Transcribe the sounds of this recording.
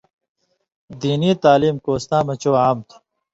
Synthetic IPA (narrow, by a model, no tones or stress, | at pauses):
d̪iːniːt̪aːliːmkoːst̪ãːmɐt͡ɕoːaːmt̪ʰu̥